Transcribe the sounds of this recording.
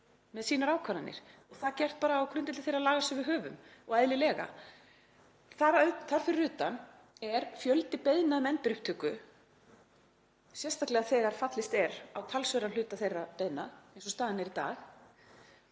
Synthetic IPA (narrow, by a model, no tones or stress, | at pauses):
mɛðsiːnaɾaːwkʰaɾanːɪ̰ɾ̥ɔɣθaðcɛr̥t̪̚paːɾaːwkʰɾʏnt̪ɪt̪ɪθejɾaðlaːɣasɛvɪðɦœːvʏmɔɣaðlɪlɛːɣa̰ | θaɾœθar̥fɪɾːʏːt̪an | ɛɾfjœlt̪ɪpeðnaðmɛnt̪ɪɾʏhpt̪ʰʏkːʏ | sjɛst̪ʰaklɛɣaθɛːɣaɾ̥fat̪lɪst̪ɛɾawt̪ʰalsœɾanlʏːt̪aθejrːapeðnaðejnsɔst̪aːðɪnɛɾit̪a̰ːx